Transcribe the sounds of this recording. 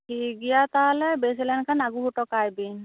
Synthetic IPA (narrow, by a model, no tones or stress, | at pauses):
hiɡijat̪alɛbes̬ɛlɛnkʰanaɡuɦutɔkajbin